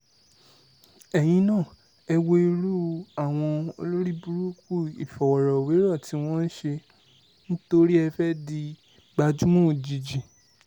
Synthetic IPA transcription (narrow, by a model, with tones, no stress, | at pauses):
ɛ˨j̃ĩ˧nã˦˨ | ɛ˧wo˧i˧ɾu˦a˦˨w̃ɔ̃˧o˧lo˦ɾi˦bu˦ɾu˦ku˦˨i˨fɔ˨wɔ˨ɾɔ˨we˨˦ɾɔ˦˨tʰi˨˦w̃ɔ̃˦n̩˦ʃe˧ | nĩ˦to˧ɾi˦ɛ˧fɛ˦di˧ | ɡ͡ba˧d͡ʒu˦mɔ̃˦˨d͡ʒi˨d͡ʒi˨